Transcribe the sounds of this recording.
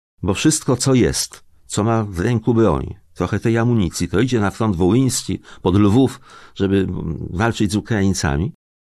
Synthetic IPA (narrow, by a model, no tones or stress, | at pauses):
bɔfʂɘst̪̚kɔt̪sɔjɛ̰st̪ | t̪sɔmavɾɛŋkubɾɔ̰ɲt̪ɾɔxɛt̪ɛjamuɲit̪sʲjit̪ɔid͡ʑɛnafɾɔnd̪vɔwij̃skʲipɔd̪lvufʐɛbɘvalt͡ʂɘd͡ʑʲzukɾajint̪sa̰mʲi